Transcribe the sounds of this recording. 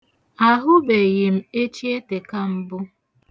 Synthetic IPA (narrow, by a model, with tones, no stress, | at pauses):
a˨ɦʊ˦be˨jɪ˨m̩˦˨e˦t͡ʃi˦e˦te˨ka˦m̩˦bʊ˦